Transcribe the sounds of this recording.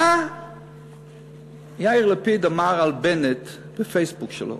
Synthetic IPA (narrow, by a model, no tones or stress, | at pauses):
a | jaɪʁlˠəpidəmaʁalˠbɛnɪt | b̥əfeɪsbukʃə̰lo̰